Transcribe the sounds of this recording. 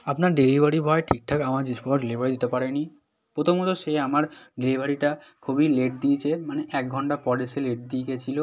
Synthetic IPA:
apnaɾɖilibʱaɾibʱɔeʈʰik̚ʈʰakamaɾd͡ʑiʃpɔɖelibaɾid̪it̪epaɾeni | pɾot̪ʰomɔt̪oʃeamaɾɖelibʱaɾiʈakʰubileʈ̚d̪iet͡ɕʰemaneʔɛk̚ɡʱɔɳʈapɔɾeʃeleʈ̚d̪ieket͡ɕʰilo

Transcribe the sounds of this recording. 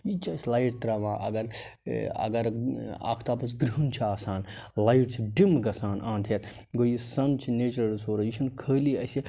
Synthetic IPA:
jit͡ʃʰɐsʲlɐjʈt̪ɾɐʋãːʔɐ̰ɡɐɾ̰ | ɐ̰ɡɐɾa̰ːkʰt̪aːpɐs̬ɡɾiunt͡ʃʰiaːsaːnlaiʈt͡ʃʰiɖimɡɐsaːnʔãːnt̪ʰet̪ | ɡojisɐnt͡ʃʰineːt͡ʃɐɾɐɾsoːɾɐjit͡ʃʰɐnkʰəːliɐsi

